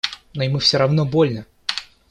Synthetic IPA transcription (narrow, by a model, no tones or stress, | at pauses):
noɪmɨfsʲoɾɐvnobo̞lʲnə